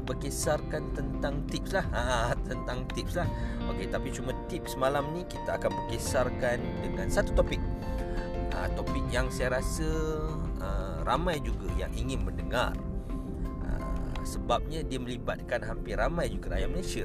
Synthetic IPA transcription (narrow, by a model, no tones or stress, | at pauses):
bərkesarkant̪ənt̪aŋt̪ip̚slahat̪ənt̪aŋt̪ip̚slahʔo̰ket̪apit͡ʃumãt̪ip̚səmalamnĩkit̪aakanbərkesarkan | dəŋansat̪ut̪opɪk̚ | ʔə̰t̪opɪk̚jaŋsajaɾasə | ə | ramãjd͡ʒuɡaja̰ŋʔiŋɪnməndəŋa̰r | ə̰səbap̚ɲadiamə̃liba̰t̪̚kanɦampɪramãjd͡ʒuɡaɾa̰jaməlasə